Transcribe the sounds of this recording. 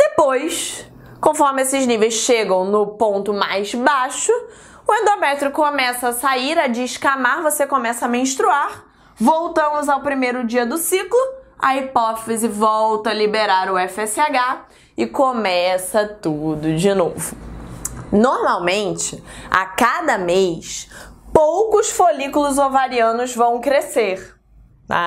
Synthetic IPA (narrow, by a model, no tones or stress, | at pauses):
d̪̥epojs | kõfɔɾmɪesɪznivejsʃeɡɐ̃w̃nʊpõnt̪ʊmajzbaʃʊ | ʊẽnd̪omɛt̪ɾɪkomɛsɐːsaiɾɐd͡ʒiʃkamaɾvosekomɛsɐmẽʃt̪ɾuaɾ | vowt̪ɐ̃mʊzawpɾimejɾʊd͡ʒiɐd̪ʊsiklʊɐ̰ipɔt̪ezɪvɔwt̪ɐɐlibeɾaɾʊɛfɛsɪaɡa | ɪkomɛsɐt̪ud̪ʊd͡ʒɪno̰vʊ | noɾmawmẽnt͡ʃɪa̰kad̪ɐmejʃpowkʊsfolikʊlʊzovaɾiɐ̃nʊzvɐ̃w̃kɾeseɾ | a̰